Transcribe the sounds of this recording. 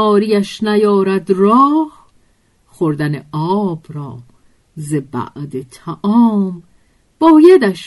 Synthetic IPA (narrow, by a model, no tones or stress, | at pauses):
ɒːɾijæʃnæjɒːɾæd̪rɒːh | χoɾd̪æneɒːb̥ɾɒː | zebæ̰ʔd̪et̪ʰæʔɒːm | b̥ɒːjed̪æʃ